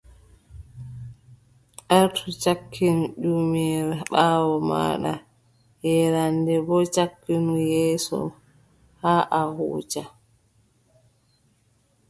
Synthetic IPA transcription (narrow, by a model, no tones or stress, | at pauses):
ʔaɾtʰɔt͡ʃakʰːinuɗumɛɾaɓaːwɔma̰ːɗa̰ | jɛɾandɛbɔt͡ʃakːinujɛːsɔ̰ | haːʔahṵːt͡ʃa